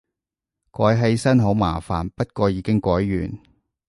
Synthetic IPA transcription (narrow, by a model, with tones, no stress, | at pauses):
kɔː˨˥jɦe˨˥jsɐ˥nɦo˨˥wmaː˨˩fa̰ː˨˩npɐ˥t̚kɔː˧jiː˨˧kɪ˥ŋkʷɔː˨˥jːy̰ː˨˩n